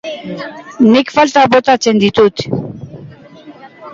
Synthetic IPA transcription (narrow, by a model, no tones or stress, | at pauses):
nɪkfalt̪abot̪at͡send̪it̪ut̪